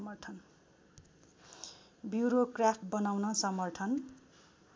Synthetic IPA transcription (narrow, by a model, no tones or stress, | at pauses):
mʌrʈʰʌn | bjuɾokrapʰʈ̚bʌnawnʌsʌmʌrʈʰʌn